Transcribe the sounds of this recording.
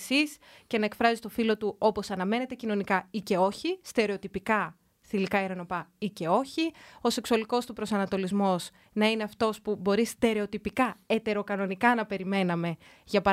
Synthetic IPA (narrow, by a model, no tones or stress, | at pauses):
sis | ce̞nɐekfɾɐzist̪o̞filo̞t̪uo̞po̞sɐnɐme̞ne̞t̪e̞cino̞nikɐice̞o̞çist̪e̞ɾe̞o̞t̪ipikɐ | θilikɐeɾɐno̞pɐice̞o̞çio̞se̞ksuɐliko̞st̪upɾo̞sɐnɐt̪o̞lizmo̞s | nɐine̞ɐft̪o̞spubo̞ɾist̪e̞ɾe̞o̞t̪ipikɐet̪e̞ɾo̞kɐno̞nikɐnɐpe̞ɾime̞nɐme̞ | ʝɐpɐ